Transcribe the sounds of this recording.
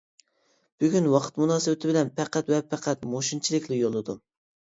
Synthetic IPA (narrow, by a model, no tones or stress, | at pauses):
b̥yɡʲynwɑqʰə̥t̪munɑːsɨbɪt̪ʰɪbɪlɛnpʰɛqʰæt̪wɛpʰæqʰæt̪moʃint͡ʃʰilɪkʲlɪjolˠːɨd̪u